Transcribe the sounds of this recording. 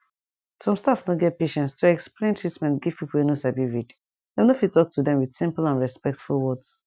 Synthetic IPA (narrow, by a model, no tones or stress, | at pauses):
sɔ̃mstafnɔɡɛt̚peʃɛ̃nstʰoɛksplẽntʰɹitmɛ̃ntɡiv̥pipl̩enosabivid | amnofiltɔk̚tʰudɛ̃mwid̥sĩmplãnɹɛspɛk̚tfulwɔds